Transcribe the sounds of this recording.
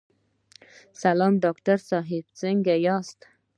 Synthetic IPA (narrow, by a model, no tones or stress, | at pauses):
salɑmɖɑktaɾsɑɦɪb̚t͡səŋɡajɑst̪